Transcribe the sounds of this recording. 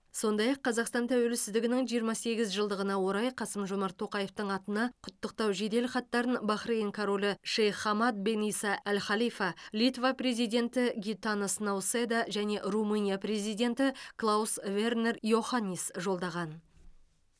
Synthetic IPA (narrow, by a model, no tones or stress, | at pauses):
so̞nd̪ɑjɑqʰːɑzɑqst̪ɑnt̪ʰæwelɪsɪzd̪ɪɡʲɪnɪŋʒijəɾmɑse̞ɡʲɪzʒəlˠd̪əʁənɑwo̞ɾɑjqʰɑsəmʒomɑɾt̪ʰːo̞qɑje̞ft̪əɴɑt̪ənɑqʰʊt̪ːəq̚t̪ɑwʒed̪e̞lχɑt̪ːɑɾənbɑχɾejŋkʰoɾo̞lʲɪʃejχɑmɑt̪̚be̞nijsɑælχɑlijfɑlʲijt̪vapre̞zijd̪ʲe̞nt̪ɪɡʲit̪anəsnawsed̪ɑʒæne̞ʔrumunʲijapre̞zijd̪ʲe̞nt̪ɪklˠausve̞rne̞rjo̞χanʲːisʒo̞lˠd̪ɑʁɑn